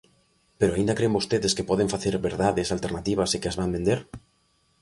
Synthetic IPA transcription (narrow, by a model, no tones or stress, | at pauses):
peɾoaind̪akɾembost̪eðeskepɔð̞eɱfaθeɾβeɾðaðesalt̪eɾnat̪iβ̞asekeazβambẽnd̪eɾ